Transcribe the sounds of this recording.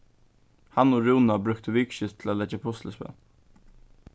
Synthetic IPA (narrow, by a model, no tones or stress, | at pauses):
hanɔɹuːnabɾʉkt̪əvɪːkʃɪst̪ʰlalɛd͡ʒapʰʊst̪ləspɛ̰n